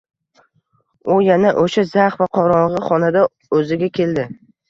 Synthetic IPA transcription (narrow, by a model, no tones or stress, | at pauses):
ʊjanaʔoʃazaχvaqʰɒɾɒɴʁɨχɒnad̪a | ɵzɪɡʲakʲʰe̞ld̪ɪ